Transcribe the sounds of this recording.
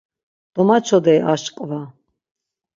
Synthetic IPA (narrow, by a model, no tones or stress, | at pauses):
d̪̥ɔmat͡ʃʰɔd̪ɛʔaʃkʼva